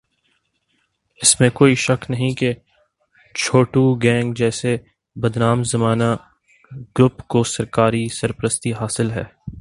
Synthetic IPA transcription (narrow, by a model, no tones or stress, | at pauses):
ɪsmẽkoːiʃɐknɐɦĩke | t͡ʃʰoːʈuɡɛ̃ːŋɡd͡ʒɛːse | bɐd̪naːmzɐmaːna | ɡ̥ɾʊpkosɐɾkaːɾisɐɾpɾəst̪iɦaːsɪlɦɛ̰ː